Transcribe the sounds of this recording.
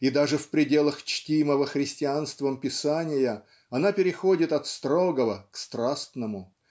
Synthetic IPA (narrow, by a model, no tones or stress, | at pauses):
id̪aʐɨfpɾʲɪdʲe̞lˠəxt͡ɕtʲiməvəxɾʲɪsʲtʲɪanst̪vəmpʲɪsanʲɪjə | ɐnapʲɪɾʲɪxodʲɪt̪ɐt̪st̪ɾoɡəvəkst̪ɾast̪nəmʊ